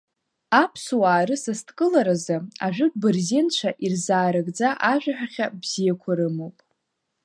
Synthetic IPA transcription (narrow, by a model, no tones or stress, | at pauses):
apʰswaːɾɨsastʰkʼɨlaɾazɨaʒʷᶣʏkʼbɨrzint͡ʃʷʰaʔirzaːɾaɡd͡zaʔaʒᶣʷaħᶣaχʲabz̥ijakʷʰaɾɨmowpʼ